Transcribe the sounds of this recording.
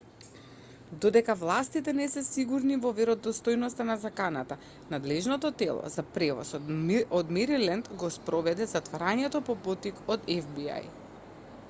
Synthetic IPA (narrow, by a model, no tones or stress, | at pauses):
d̪od̪ɛkavlˠast̪it̪ɛnɛsɛsiɡuɾnivɔvɛɾɔd̪ɔst̪ojnɔst̪anazakanat̪a | nad̪lɛʒnɔt̪ɔt̪ɛlˠɔ̰zapɾɛvɔ̰sɔd̪mɛɾilɛnd̪ɡɔspɾɔvɛd̪ɛzat̪vaɾaɲɛt̪ɔpɔpɔt̪ikɔd̪ɛvbia̰j